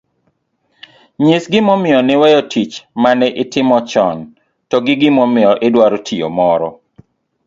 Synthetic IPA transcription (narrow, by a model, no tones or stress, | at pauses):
ɲɪsɡɪmɔmɪjɔnɪwɛjɔtʰit͡ʃmanɛʔɪtɪmɔt͡ʃɔn | tɔɡɪɡɪmɔmɪjɔʔɪdwaɾtʰio̰mɔɾɔ